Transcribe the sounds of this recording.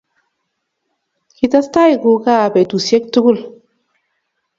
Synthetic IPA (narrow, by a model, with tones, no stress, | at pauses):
ki˦ta˦sta˦ji˨ɡu˨ka˦˨bɛ˨tu˨se˦k̚tu˦ɡu˦˨l